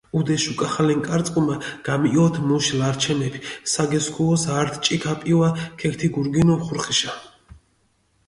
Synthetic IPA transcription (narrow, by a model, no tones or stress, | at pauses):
ud̪ɛʃukʼaχalɛŋkʼaɾt̪sʼqʼumaɡ̥amɔt̪ʰmuʃilaɾt͡ʃʰɛmɛpʰisaɡɛskʰuɔsaɾt̪ʰt͡ʃʼikʰapʼiwakʰɛkt̪ʰiɡuɾɡinɔmχuɾχiʃa